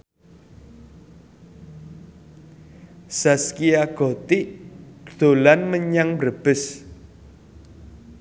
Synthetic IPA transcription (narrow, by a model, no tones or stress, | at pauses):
saskiaɡ̥ɔ̤t̪iʔd̪̥o̤lanməɲaŋbrəb̥ɪ̤s